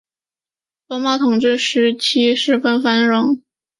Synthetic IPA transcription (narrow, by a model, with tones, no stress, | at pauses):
t̪ɔ˥mɑ˥˩t̪ʰʊ˨˩ŋʈ͡ʂɻ̩˥˩ʂɻ̩˧˥t͡ɕʰi˥ʂɻ̩˧˥fə˥nfa˥nɻʊ˧˥ŋ